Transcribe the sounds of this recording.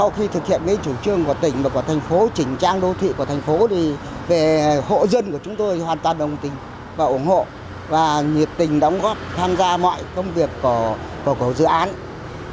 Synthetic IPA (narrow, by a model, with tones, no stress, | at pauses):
sa˧wxi˧t̪ʰɨ˨˩k̚hḭ˧˨ənŋə˧nt͡ɕu˧˩t͡ɕɨ˧˩əŋku˧˩ət̪ï˧˩ŋ̟maː˨˩kɔ˧˩˦t̪ʰjŋ̟fo˨˦t͡ɕï˧˩ŋ̟t͡ɕaː˧ŋɗo˨˧˦t̪ʰḭ˧˨ku˧˩ət̪ʰŋ̟fo˨˦t̪ʰi˨˩ | ve˨˩ho̰˧˨zə˧nku˧˩ət͡ɕʊ˨˦ŋ͡mt̪o˧jhwaː˨˩nt̪waː˨˩nɗə˨˩wŋ͡mt̪ï˨˩ŋ̟ | vaː˨˩ʔʊ˧˩nho̰˧˨ | vaː˨˩ɲi˨˩ət̚t̪ï˨˩ŋ̟ɗɔ˨˦wŋ͡mɣɔ˦˥p̚t̪ʰaː˧mzaː˧mɔ̰˧˨jkə˧wŋ͡mvi˨˩əkːɔ˧˩ə | kkə˧˩zɨ̰˧˨ʔaː˨˦n